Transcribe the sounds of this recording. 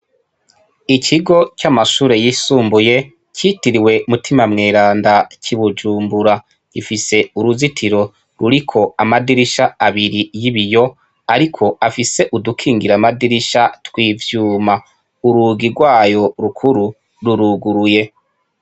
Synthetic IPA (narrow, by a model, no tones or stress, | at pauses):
icʰiɡo̞camaʃuːɾejisuːmbuje̞ | citiɾiwe̞umutimamŋeːɾaːndacʰiβud͡ʒuːmbuɾa | ifise̞uɾuzitʰiɾo̞ | ɾuɾikʰo̞amadiɾiʃaaβiɾijiβijo̞ | aɾikʰo̞afise̞ʔudukʰiːŋɡiɾamadiɾiʃatwiːvjuːma | uɾuːɡiɾɡwaːjo̞ɾukʰuɾu | ɾuɾuɡuɾuje̞